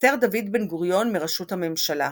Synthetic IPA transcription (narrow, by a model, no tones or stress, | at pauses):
teʁd̪avid̪benɡuʁjo̞nmiʁaʃuthamemʃala